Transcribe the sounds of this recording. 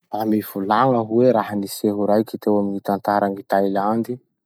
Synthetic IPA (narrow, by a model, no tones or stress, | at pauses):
amiv̥ulaŋəɦuweɾaɦaniseɦuɾajkʲit̪ewaminit̪ant̪aɾaŋit̪ajland̪i